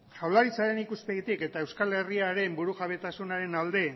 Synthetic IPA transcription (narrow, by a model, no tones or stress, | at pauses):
ʝawlaɾit͡saɾe̞nikuspeɣit̪ike̞t̪ae̞wskale̞riaɾe̞mbuɾuʝaβe̞t̪asunaɾe̞nald̪e̞